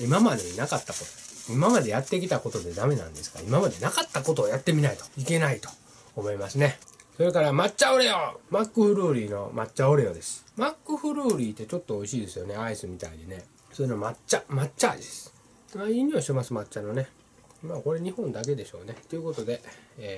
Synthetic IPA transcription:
imamad̪e̞nakat̪ːako̞t̪oimamad̪e̞jat̪ːe̞kʲit̪ako̞t̪o̞d̪e̞d̪ame̞nã̰nd̪e̞sɨ̥ɡa̰imamad̪e̞nakat̪ːako̞t̪o̞ːjat̪ːe̞mʲinait̪o̥ike̞nait̪o̞̥ː | mo̞imasɨne̞ | so̞ɾe̞kaɾamatt͡ɕːao̞ɾejomakːɯɸɯ̟ɾɯːɾʲiːno̞matt͡ɕːao̞ɾe̞jod̪e̞sɨ̥makːɯ̟ɸɯ̟ɾɯːɾʲiːt̪ːe̞t͡ɕo̞t̪ːo̞oiɕiːd̪e̞sɨjo̞ne̞aisɨmʲit̪a̰iɲine̞ | sojinomat͡ɕːamat͡ɕt͡ɕːaːid̪esɨ̥ | maiɲ̟ioɕit̪emasɨmatt͡ɕano̞ne̞ | maːko̞ɾe̞ɲ̟ihõ̞nd̪ak̬e̞d̪e̞ɕo̞̰ːne̞t̪ːeɯ̟ko̞t̪o̞d̪e̞ː

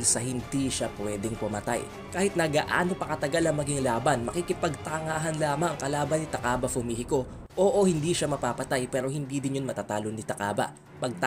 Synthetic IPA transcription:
lsɐhɪnd̪iʃapʊwɛːd̪ɛŋpʊmɐt̪a̰j | kaːhɪt̪̚nɐɡɐʔa̰ːnopɐkɐt̪ɐɡalɐŋmɐɡiŋlaːbɐnmɐkikɪpɐɡ̚t̪ɐŋaːɦɐnlaːmɐŋɐŋkɐlaːbɐnɪt̪ɐkaːbɐfʊmihɪko̞ | ʔoːʔohɪnd̪iʃamɐpaːpɐt̪ajpɛːɾo̞hɪnd̪id̪ɪnjonmɐt̪at̪aːlonɪt̪ɐka̰ːbɐ̰ | pɐɡ̚t̪

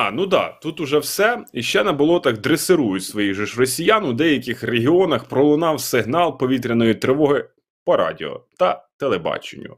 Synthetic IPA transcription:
ɑnud̪ɑ̰t̪ut̪ʊʒɛwsɛiʃt͡ʃɛnɐbʊlˠɔt̪ɐkd̪ɾesɪɾujʊtʲsʋɔjiɣʒɔʃrɔsʲijɑnʊwd̪ɛjɐkʲɪxreɦɪɔnɐxpɾɔlˠʊnɑwsɪɦnɑlˠpɔʋʲit̪̬ɾʲɐnɔjit̪ɾɪʋɔɦɪ | pɔɾʔɑ̰dʲɪ̰ɔ̰t̪ɐt̪elˠebɑ̰t͡ʃḛnʲːʊ̰

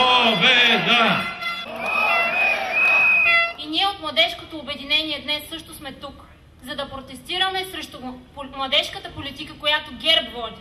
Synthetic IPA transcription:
obɛd̪a | iniɛot̪mlˠɐd̪ɛʃkot̪oːbɛd̪inɛniɛd̪nɛsːɤʃt̪osmɛt̪uk | zɐd̪ɐpɾot̪ɛst̪iɾɐmɛsɾɛʃt̪omlˠɐd̪ɛʃkət̪əpolit̪ikəkojat̪oɡʲɛɾbvɔd̪ʲi

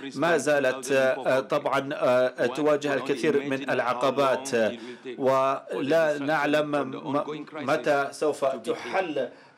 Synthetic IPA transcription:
maːzaːlat̪t̪ˤːɑbʕɑnt̪ʊwaːd͡ʒɪhalkaθiːɾmɪnʔalʕɑqɑbaːt̪ | wɪlanaʕlam | mat̪asawfat̪ʊħalː

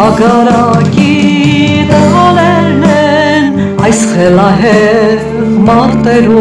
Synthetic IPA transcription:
ɑɡɑɾɑki | d̪əʁɑlɛɾnɛ | n | ɑjsχɛlɑɦɛ | mɑɾt̪ɛɾu

